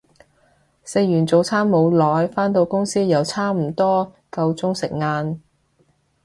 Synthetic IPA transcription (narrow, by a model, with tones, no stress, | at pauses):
se˧jjyː˨˩nt͡so˨˧wt͡sʰaː˥nmo˨˧wlɔː˨˥jfaː˥nt̪o˧wkʊ˥ŋsiː˥jɐ˨˩wt͡sʰaː˥m̩˨˩t̪ɔː˥ | kɐ˧wt͡sʊ˥ŋsɪ˨k̚ŋaː˧n